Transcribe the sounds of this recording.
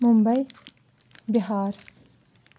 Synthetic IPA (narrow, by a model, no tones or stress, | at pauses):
mumbɐj | biɦaːɾs